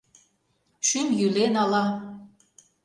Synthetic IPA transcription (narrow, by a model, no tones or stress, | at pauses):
ʃymjylenɑlɑ